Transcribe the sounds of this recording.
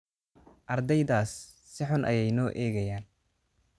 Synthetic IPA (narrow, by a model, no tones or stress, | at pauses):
ʔɐrd̪ɛjðaːsː | ɪħʊnʔɐ̰jɛjnɔːʔɛːɣɐjaːn